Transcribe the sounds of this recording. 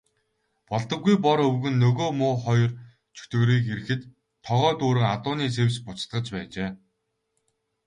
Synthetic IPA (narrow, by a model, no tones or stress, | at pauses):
pɔɮt̪ə̆ɡːujp̬ɔɾɵwɣɵ̆nːɵɣoːmʊːχɔjɞ̆r | t͡ɕʰɵ̥t̪ɘ̆ɾiːkeɾɘ̆xɘ̆t̪ʰː | ɔʁœːt̪uːɾɘ̆ŋat̪ʊːniːt͡sʰewspʊt͡st̪ɢə̆t͡ɕpæːt͡ɕeː